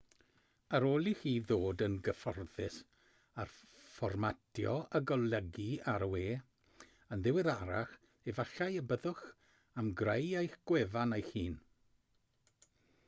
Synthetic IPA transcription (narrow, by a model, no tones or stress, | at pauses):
aɾoːlˠihiːðoːdənɡəfɔrðɪs | arfɔrmatʰjɔ̰əɡɔlˠəɡiaɾəweː | ənðɪwɪɾaɾa̰χ | evaɬajəbəðʊχ | amɡrejejxɡ̥wɛvanejhiːn